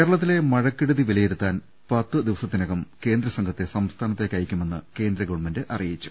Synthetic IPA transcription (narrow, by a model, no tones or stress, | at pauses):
keːɾɐɭɐt̪̬ːile̞mɐɻɐkːiɽuðiʋilɐjeɾut̪ːaːn | pɐt̪ːɨd̪iʋɐsɐt̪ːinɐɣɐmke̞ːnd̪ɾɐsɐŋɡʰʱɐt̪ːe̞sɐmst̪ʰaːnɐt̪ːe̞kːɐjikʲːume̞nːɨke̞ːnd̪ɾɐɡɐɻmɐndɨʔɐrijit͡ɕːu̥